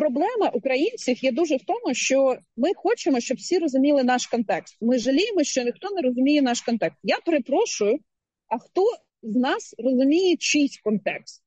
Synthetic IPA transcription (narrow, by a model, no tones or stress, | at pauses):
pɾɔblˠɛmɐʔʊkɾɐjinʲt͡sʲiwjɛd̪uʒɛwt̪ɔmʊʃt͡ʃɔmɪxɔt͡ʃemɔʃt͡ʃɔbwsʲiɾɔzʊmʲilˠɪnɑʃkɔnt̪ɛkst̪mɪʒɐlʲijemɔʃt͡ʃɔnʲɪxt̪ɔneɾɔzʊmʲijɛnɑʃkɔnt̪ɛkst̪japeɾepɾɔʃʊjʊ | ɐxt̪ɔ | znɑsrɔzʊmʲijet͡ʃisʲtʲkɔnt̪ɛkst̪̚